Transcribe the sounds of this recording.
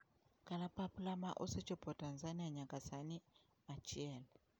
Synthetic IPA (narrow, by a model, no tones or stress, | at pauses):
kalapaplama̰ʔoset͡ʃɔpɔtanzaniaɲakasani | mat͡ʃiɛl